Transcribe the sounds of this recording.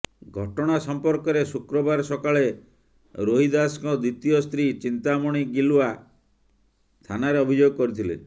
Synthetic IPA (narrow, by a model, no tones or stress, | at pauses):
ɡʱɔʈɔɽ̃asɔmpɔɾkɔɾesukɾɔbaɾsɔkaɭe | ɾoɦid̪askɔd̪it̪ijɔst̪ɾit͡ʃint̪amɔɽ̃iɡilua | st̪ʰanaɾeɔbʱid͡ʒoɡɔkɔɾit̪ʰilḛ